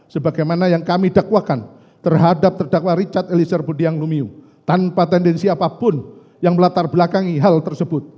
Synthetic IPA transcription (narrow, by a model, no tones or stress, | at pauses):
səbaɡajmanajaŋkamidakwakan | t̪ərɦadap̚t̪ərdakwaɾit͡ʃat̪elisərbodiaŋlumiu | t̪anpat̪ɛndɛnsiapapʊn | jaŋməlat̪arblakaŋiɦalt̪ərsəbʊt̪̚